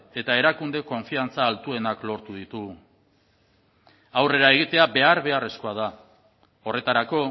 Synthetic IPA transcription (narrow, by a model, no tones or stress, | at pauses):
e̞t̪ae̞ɾakund̪e̞ko̞ɱfiant͡saːlt̪ue̞naklo̞ɾt̪uðit̪uɣ | awre̞ɾae̞ɣ̞it̪e̞abe̞aɾβe̞are̞sko̞að̞a | o̞re̞t̪aɾako̞